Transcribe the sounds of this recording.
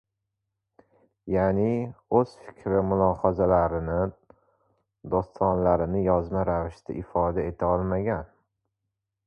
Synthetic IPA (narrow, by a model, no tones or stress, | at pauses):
janiɵz̥fɪ̥kʲʰɾɪmʊlˠɒhɒzalaɾɪnɪ | d̪ost̪ʰɒnlaɾɪnɪjɒzmaɾavɪʃt̪ʰa̰ʔɪfɒd̪ae̞t̪ʰaɒlˠmaɡʲan